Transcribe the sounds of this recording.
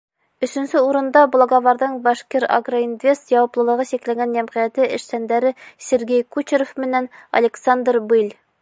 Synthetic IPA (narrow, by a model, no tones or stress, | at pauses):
ɵ̆sɵ̆nsɘuɾɤ̆nd̪ɑblˠoɡovɑɾd̪ɤɴbɑʃkeɾa̰ɡroind̪vʲest̪jɑwɑplˠɤ̆lˠɤ̆ʁɤsiklæɡænjæmʁijæt̪ɘʔɘ̆ʃsænd̪æɾɘsʲeɾɡʲejkut͡ɕɪɾofmɘ̆nænɐ̰lʲeksand̪rbɨlʲ